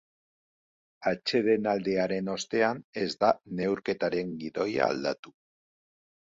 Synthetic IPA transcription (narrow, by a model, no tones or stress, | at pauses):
at͡ʃe̞ðe̞nald̪e̞aɾe̞no̞st̪e̞ane̞zd̪ane̞wɾke̞t̪aɾe̞ŋɡiðo̞ja̰ːld̪at̪u